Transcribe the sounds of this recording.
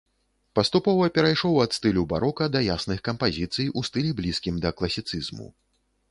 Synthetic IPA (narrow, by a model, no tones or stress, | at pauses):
pɐst̪upɔvɐpʲɛɾajʂɔwɐt̪st̪ɨlʲuba̰ɾɔkɐd̪ɐjasnɨxkɐmpazʲit̪sɨjʔust̪ɨlʲiblʲiskʲimd̪ɐklˠɐsʲit̪sɨzmṵ